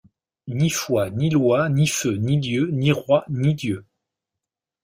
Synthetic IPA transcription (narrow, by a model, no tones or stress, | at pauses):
nifwanilwaniføniljøniʁwanid̪jø